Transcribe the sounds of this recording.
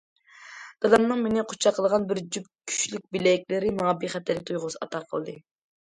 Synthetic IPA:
d̪̥ɑlˠɑmnɨŋmenɪqʰʊ̥t͡ʃʰɑqʰəlˠəʁɑnbɪɾd͡ʒyp̚kʲʰy̥ʃlyk̚ʲbilɛkʲlɪɾɪmɑːbiχɛt̪ːɛlk̚ʲt̪ʰujʁʊzɑ̰t̪ʰɑqʰəlˠɨd̪ɨ

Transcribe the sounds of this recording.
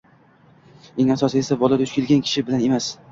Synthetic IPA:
eŋasɒsɪe̞sabɒlˠad̪ʊt͡ʃkʲɪlɡʲankʲʰɪ̥ʃɪbɪlane̞mas

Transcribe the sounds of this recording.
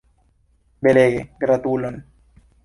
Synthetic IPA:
beleːɡeɡɾat̪ulon

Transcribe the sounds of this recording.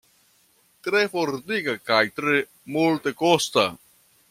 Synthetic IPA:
t̪ɾefoɾd̪ikakajt̪ɾe | mult̪ekost̪a

